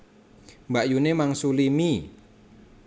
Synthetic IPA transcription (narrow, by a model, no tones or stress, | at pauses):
mbaʔjunemaŋsulimi